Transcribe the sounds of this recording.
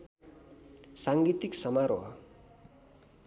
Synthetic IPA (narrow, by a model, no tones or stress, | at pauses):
saŋɡit̪iksʌmaɾoɦʌ